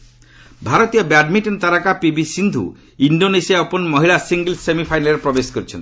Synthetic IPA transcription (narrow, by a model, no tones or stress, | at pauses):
bʱaɾɔt̪ijɔbaɖmiʈɔnt̪aɾakapibisind̪ʱṵ | iɳɖonesijaɔpɔnmɔɦiɭasiŋɡelsemipʰajnaleɾepɾɔbesɔ̥kɔɾit͡ʃʰɔ̰nt̪i̥